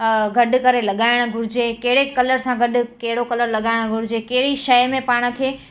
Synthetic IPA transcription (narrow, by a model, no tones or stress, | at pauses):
ɡʱɐɖʊkɐɾelɐɠaːɪɽ̃ʊ̆ɡʱʊɾɪd͡ʑekɐɦɪɽekɐləɾsãɡʱɐɗʊ̆kɐɦɪɽokɐləɾlɐɠaːɪɽ̃ɡʱʊɾɪd͡ʑekɐɦɪɽiʃɐjmẽpaːɽ̃ə̆kʰeː